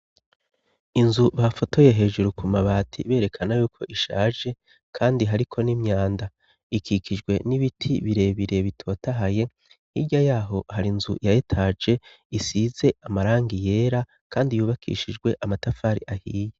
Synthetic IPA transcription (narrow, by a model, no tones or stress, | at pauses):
inzuβafo̞to̞jeɦe̞ːʒuɾukʰumaβaːtʰḭβe̞ːɾe̞kʰanajuːkʰo̞ʔiʃaːʒe̞ | kʰaːndiɦaɾikʰo̞niːmɲaːnda | ikʰikʰid͡ʒɡwe̞niβitʰiβiɾe̞βiɾe̞βitʰo̞ːtaɦaje̞ | hiɟajaːɦo̞haɾinzujajetʰaːd͡ʒe̞ | isiːze̞ʔamaɾaːŋɡije̞ːɾa | kʰaːndijuːβakʰḭʃid͡ʒɡwe̞ʔamatafaːɾḭʔahiːje